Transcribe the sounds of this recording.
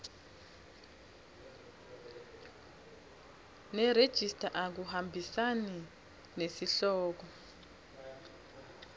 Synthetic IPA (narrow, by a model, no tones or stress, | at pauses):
nɛɾed̥ʒ̥ʱistʰʼaʔak̬uhambʱisanɛ | nesiɬɔːk̬ɔ